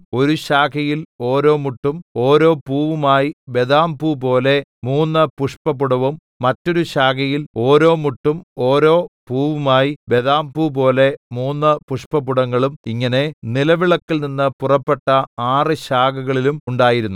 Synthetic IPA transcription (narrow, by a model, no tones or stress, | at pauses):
o̞ɾuɕaːkɐjilo̞ːɾo̞ːmuʈːumo̞ːɾo̞ːpuːʋumaːjibe̞ðaːmpupo̞ːle̞muːnːɐpuʂpɐpuɽɐʋumːɐtːo̞ɾuɕaːkɐjilo̞ːɾo̞ːmuʈːumo̞ːɾo̞ːpuːʋumaːjibe̞ðaːmpup̬o̞ːle̞muːnːɨpuʂpɐpuɽɐŋːɐɭumiŋːɐne̞nilɐʋiɭɐkːilninːɨpurɐpːe̞ʈːɐaːrɨɕaːkɐɣɐɭilumuɳɖaːjiɾunːu